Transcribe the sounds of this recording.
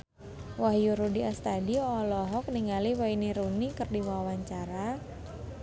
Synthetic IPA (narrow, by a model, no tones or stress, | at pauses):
waɦjuɾudiast̪adiɔlɔɦɔk̚niŋaliwainiɾunikɨrdiwawaɲt͡ʃaɾa